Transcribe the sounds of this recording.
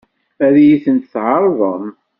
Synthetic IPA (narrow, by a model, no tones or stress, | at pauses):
æɾjiθənt̪θʕəɾˤðˤəm